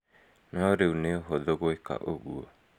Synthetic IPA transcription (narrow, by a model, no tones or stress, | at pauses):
naoɾewneoɦod̪oɡoeka̰ʔoɡuo